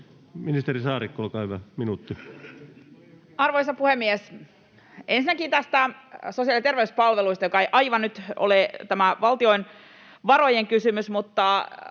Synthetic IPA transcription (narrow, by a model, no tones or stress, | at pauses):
minist̪erisɑːɾikːolkɑːhyʋæminuːt̪ːi | ɑrʋoisɑpuhemːies | ensinːækiːt̪æst̪æsosiɑlit̪erʋeyspɑlʋeluist̪ɑjokɑejʔɑiʋɑnnyt̪o̰let̪æmæʋɑlt̪io̞in | ʋɑro̞jeŋkysymysmut̪ːɑ